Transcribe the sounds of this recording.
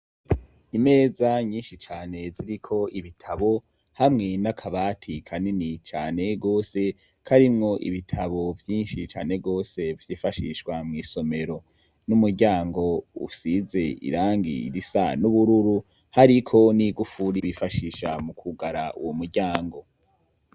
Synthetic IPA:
ime̞ːzaɲiːnʃit͡ʃaːne̞ziɾikʰo̞ʔiβitʰaβo̞ | hamŋe̞nakʰaβaːtʰikʰaninit͡ʃaːne̞ɡo̞ːse̞ | kʰaɾimŋo̞ʔḭβitʰaβo̞vjiːnʃit͡ʃa̰ːne̞ɡo̞ːse̞vjiːfaʃiːʃwamŋiːso̞me̞ɾo̞ | numuɾɟaːŋɡo̞ṵsize̞ḭɾaːŋɡḭɾisa̰nuβuɾuɾu | haɾikʰo̞niɡufuɾiβifaʃiːʃamukʰuɡaɾaṵwomuɾɟaːŋɡo̞

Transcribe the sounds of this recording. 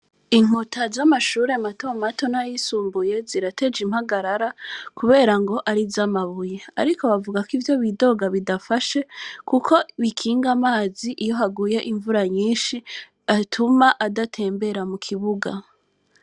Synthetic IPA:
iŋ̥utʰazamaʃuːɾe̞mato̞mato̞najisuːmbuje̞ziɾate̞d͡ʒimhaɡaɾaɾakuβe̞ːɾaŋɡo̞ʔaɾizamaβujea̰ɾiko̞βavuɡakivjo̞βido̞ɡaβidafaʃe̞kukʰo̞βikʰiːŋɡamaːziʔijo̞ɦaɡuje̞ʔiɱvuɾaɲiːnʃi | atʰumaʔadatʰe̞ːmbe̞ɾamukʰiβuɡa

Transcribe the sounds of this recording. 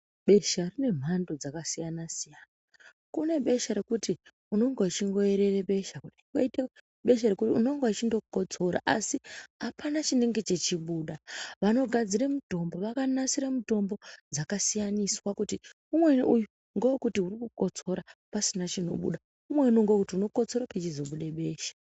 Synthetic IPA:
ɓe̞ʃarine̞m̤ando̞d͡zakasijanasijaːna | kune̞ɓe̞ʃaɾe̞kuti | uno̞ŋɡoat͡ʃiŋɡo̞e̞ɾe̞reɓe̞ʃaku | ŋɡoite | ɓe̞ʃ̬arekutiuno̞ŋɡoat͡ʃindo̞kuko̞d͡zo̞ɾa̰ʔasiɦapanat͡ʃine̞ŋɡe̞t͡ʃe̞t͡ʃiɓuːɗaʋano̞ɡʱad͡ziɾemuto̞mbo̞ʋakanasiɾamuto̞mbo̞d͡zakasijaniswakuti | umwe̞uju | ŋɡowkutiurikuko̞t͡so̞ɾapasinat͡ʃino̞̰ɓṵɗa | umwe̞unoŋɡookutiuno̞ko̞t͡so̞ɾaket͡ʃizo̞ɓuɗeɓe̞ːʃḁ

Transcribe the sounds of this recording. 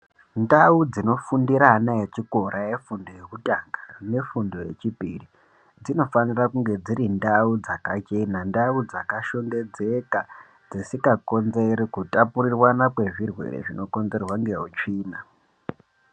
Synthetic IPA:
ndaud͡zino̞fundiɾanajet͡ʃiko̞ɾʔaje̞fundo̞je̞kutʼaŋɡḁne̞fundo̞je̞̰t͡ʃipḭri | d͡zino̞fanirakuŋɡe̞d͡ziɾindaud͡zakat͡ʃe̞nandaud͡zakaʃo̞ŋɡe̞d͡ze̞ka | d͡zisikako̞nzeɾikutapurirwanakwe̞ʐirwe̞̰ɾḛʐino̞ko̞nze̞rwaŋɡe̞ɦut͡ʃiːna

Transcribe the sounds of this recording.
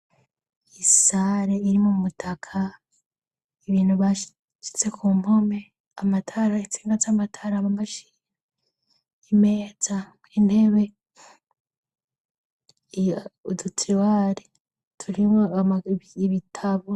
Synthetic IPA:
isaːɾeiɾimumutʰakʰa | iβiːnhuβa | t͡ʃi̥t͡se̞kʰuːmho̞me̞ | amatʰaɾait͡si̥ːŋɡat͡samatʰaɾamamaʃi̥ɲe | ime̞ːd͡za | inhe̞βe̞ | udutʰiwaɾe | tʰuɾimoaaiβitʰaβo

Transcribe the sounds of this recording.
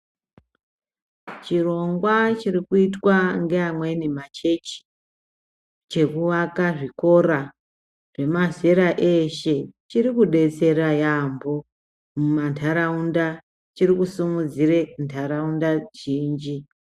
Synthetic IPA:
t͡ʃiro̞ŋɡwat͡ʃirikuitwaŋɡe̞amwe̞nimat͡ʃe̞t͡ʃi̥ | t͡ʃe̞kuʋakaʐiko̞ɾa | ʐe̞mazeɾaʔe̞ʃe̞t͡ʃirikuɗe̞t͡se̞ɾajambo̞ | mumantʰaɾaunda | t͡ʃirikusimud͡zirentʰaɾaundaʒiːnd͡ʒi

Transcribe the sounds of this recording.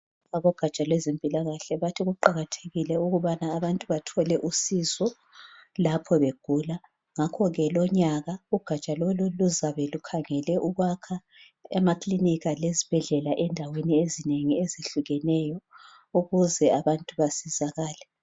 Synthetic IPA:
aβɔɡ̥ʱat͡ʃʼalwɛzimpʼilaɣaɬɛβatʰiɣuǃaɣatʰe̥ɣilɛuɣuβanaːβantʼuβatʰɔlɛʔusizɔ | lapʰɔβeɡ̥ʱuːla | ŋakʰɔɣɛlɔɲaɣauɡ̥ʱat͡ʃʼaloluluzaβɛlukʰaŋɛlɛʔuɣwakʰa | ɛmakʰʼliniɣalezib̥ʱɛɮɛlaʔɛndʱaweniezineŋieziɬuɣɛnɛjɔ | uɣuzɛaβantʼuβasizaɣaːlɛ

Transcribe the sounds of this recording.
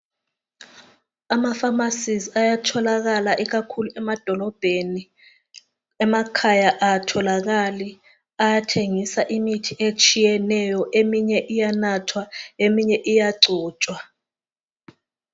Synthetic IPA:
amafamasizajatʰɔlak̬alaʔik̬akʰuluɛmad̥ʱɔlɔb̥ʱeni | ɛmakʰajaʔatʰɔlak̬ali | ajatʰeŋisaʔimitʰiʔet͡ʃʼijɛnɛjɔʔemiɲɛʔijanatʰwaemiɲɛʔijaǀɔːt͡ʃʼwa

